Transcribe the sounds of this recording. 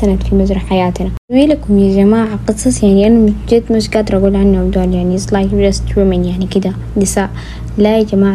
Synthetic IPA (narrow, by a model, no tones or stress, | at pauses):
anad̪fimazɾˤɑħajaːt̪na | wilakumjad͡ʒamaːʕqɨsˤɑsˤjaʕniʔanamtd͡ʒed̪masɡaːt̪ɾˤɑbulʕanːabd̪aːljaʕnisˤlakbɾast̪wimenjaʕnikid̪a | d̪isaːʔ | lad͡ʒamaːʕ